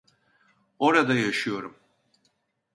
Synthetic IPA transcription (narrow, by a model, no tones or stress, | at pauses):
o̞ɾad̪ajaʃɯjo̞ɾum